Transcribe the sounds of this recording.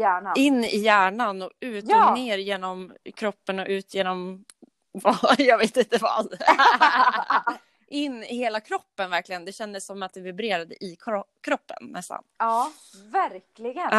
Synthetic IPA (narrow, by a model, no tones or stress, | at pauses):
jæːɳaɪnːɪ̰jæːɳanɔʉ̟ːt̪ːneːɾjeːnɔmkʰɾɔpːənɔʔʉ̟ːt̪jeːnɔm | vajɑːɡveːt̪ɪnt̪əvɑ̰d̪ | ʔɪnːɪheːlakʰɾɔpːənvæɾklɪɡənd̪ɛɕɛnd̪əsːɔmat̪̚d̪ɛvɪbɾeːɾad̪ə̰ʔɪkʰkʰɾɔpːə̰nːɛ̰st̪a̰nɑ | væɾklɪɡə